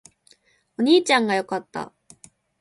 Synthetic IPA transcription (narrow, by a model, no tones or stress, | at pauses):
o̞ɲ̟iːt͡ɕãŋɡajo̞kat̪ːa̰